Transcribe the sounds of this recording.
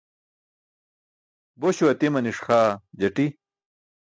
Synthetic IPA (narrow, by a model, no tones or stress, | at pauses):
boɕuɐt̪imɐniʂxaːd͡ʑɐʈi